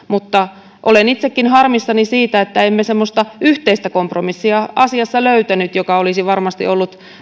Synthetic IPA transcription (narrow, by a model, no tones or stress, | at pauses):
mut̪ːɑ | ʔolenit̪sekːinhɑrmistːɑnisiːt̪æet̪ːæemːesemːost̪ɑyht̪eist̪ækompromisːiɑɑsiɑsːɑløyt̪ænyt̪jokɑolisiʋɑrmɑst̪ḭʔolːut̪